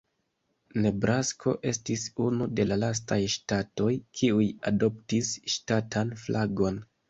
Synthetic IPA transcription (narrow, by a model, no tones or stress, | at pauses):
ne̞bɾʔaskʰo̞̰ʔe̞stisunude̞lalas̬tajʃtato̞jkʰiujado̞ptisʃtatʰanflʔaɡo̞n